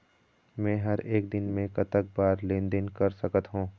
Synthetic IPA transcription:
mɛ̃ːɦɐɾeːkd̪ɪnmẽkɐt̪ək̚baːɾlẽːnd̪ənkɐɾsəkət̪ɦũː

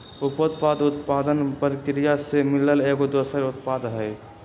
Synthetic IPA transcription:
upot̪̚pad̪ut̪pad̪ənpəɾkɾijasemiləleɡod̪osəɾut̪pad̪ɦəj

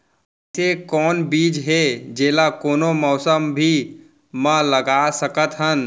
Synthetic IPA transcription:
sekɔːnbiːd͡ʒɦed͡ʒeːlakoːnomɔːsəmbʱi | mələɡaːsəkət̪ɦən

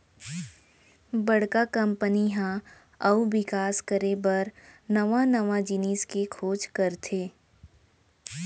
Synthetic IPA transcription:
bɐɽ̤kakɐ̃mpəniɦã | ɐubɪkaːskəɾebɐɾnɐʋãnɐʋad͡ʒɪniːskekʰoːd͡ʒkɐɾt̪ʰeː

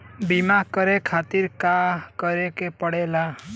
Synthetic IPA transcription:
bimakəɾekʰat̪iɾkakəɾekepəɽela

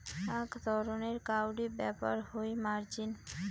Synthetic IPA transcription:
akt̪ɔɾoneɾkawɖibɛpə̰ɾhojmaɾd͡ʒin

